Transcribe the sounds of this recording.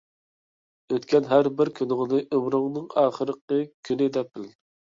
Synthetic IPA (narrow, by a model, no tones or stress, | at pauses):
øt̪kʲɛnɦæɾbɪɾkʲʰynɪŋɨnɨʔømɾʊŋnɨŋɑːχəɾəqəkʲʰynɪd̪ɛp̚ːɪl